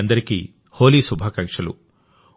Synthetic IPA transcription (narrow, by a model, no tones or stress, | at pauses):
ɐnd̪ɐɾikḭ | ho̞ːliːsubʱaːkɐŋkʂɐlṵ